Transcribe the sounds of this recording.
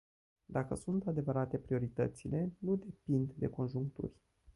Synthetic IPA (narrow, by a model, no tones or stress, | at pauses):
d̪akəsunt̪ad̪e̞vəɾat̪e̞pɾio̞ɾit̪ə̰t̪sile̞nud̪e̞pind̪ːe̞ko̞nʒuŋkt̪ṵrʲ